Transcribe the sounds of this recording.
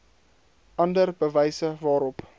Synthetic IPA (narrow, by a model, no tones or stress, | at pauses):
ʔɐndərbəvɛjsəvɑːɾɔp